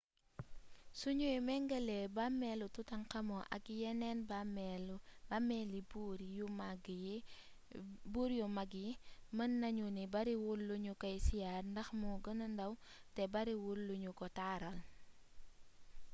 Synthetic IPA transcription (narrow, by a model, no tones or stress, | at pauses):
suɲuimɛŋɡɐlɛbamɛlututɐŋkɐmɔʔɐ̰kjɛnɛnbm | amɛlibuɾjumaɡ | buɾjumɐɡimənːɐɲunibɐɾiwulːuɲukɐjsijaːɾndɐxmɔɡənɐndɐwtɛbɐɾiwulːuɲukɔtaːɾɐl